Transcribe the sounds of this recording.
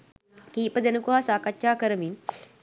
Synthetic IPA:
kiːpɐd̪enukuɦaːsaːkɐt͡ʃːt͡ʃaːkɐɾɐmin

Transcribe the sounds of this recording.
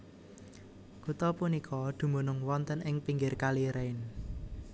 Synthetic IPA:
kut̪ɔpunikʰɔd̪̥ṳmo̤nʊŋwɔnt̪ənʔɪŋpiŋɡɪrkaliɾɛɪn

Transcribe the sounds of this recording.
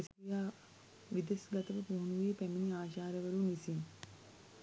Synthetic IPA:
sijaː | ʋid̪esɡɐt̪əʋəpuɦunuʋipæminiaːʃaːɾəʋəɾunʋisin

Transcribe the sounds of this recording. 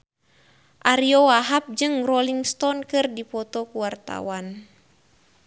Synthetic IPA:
ʔaɾiɔwaɦap̚d͡ʒɨŋrɔliŋst̪ɔnkɨrdipɔt̪ɔkuwart̪a̰wan

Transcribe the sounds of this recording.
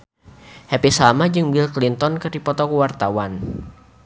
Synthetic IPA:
hɛpisamad͡ʒɨŋbilklint̪ɔnkɨrdipɔt̪ɔkuwart̪awan

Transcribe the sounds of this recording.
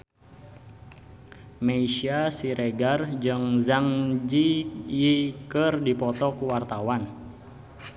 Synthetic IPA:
meiʃiasiɾeɡard͡ʒɨŋzaŋd͡ʒijikərdipɔt̪ɔkuwart̪awan

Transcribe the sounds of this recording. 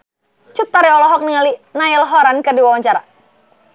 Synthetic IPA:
t͡ʃut̪ːaɾiɔlɔɦɔk̚niŋalinaɪlɦɔɾankərdiwawaɲt͡ʃaɾa

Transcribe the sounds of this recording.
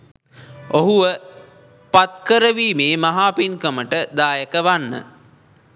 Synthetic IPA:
oɦuʋə | pat̪kəɾəʋiːmeːmaɦaːpinkəməʈəd̪aːjəkəʋanːə̰

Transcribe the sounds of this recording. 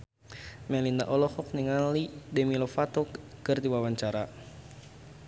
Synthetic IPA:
mɛlinda̰ʔɔlɔhɔk̚niŋalidɛmilɔfat̪ɔkɨrd̪iwawaɲt͡ʃaɾa

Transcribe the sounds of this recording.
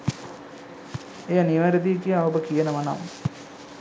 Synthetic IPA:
ejaniʋaɾəd̪ikijaobəkijənəʋana̰m

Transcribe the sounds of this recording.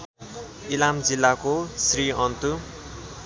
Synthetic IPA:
ilamd͡zilːakosriʌnt̪u

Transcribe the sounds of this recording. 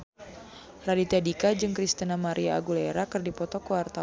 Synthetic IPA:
radit̪ɛdikad͡ʒɨŋkɾist̪ənamaɾʔia̰ːɡuleɾakɨrdipɔt̪ɔkuwart̪a

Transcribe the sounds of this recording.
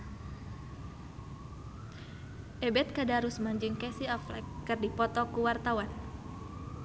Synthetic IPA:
ʔɛbɛt̪̚kadaɾusmaɲd͡ʒiŋkɛsiaflɛ̰kːɨrdipɔt̪ɔkuwart̪awan

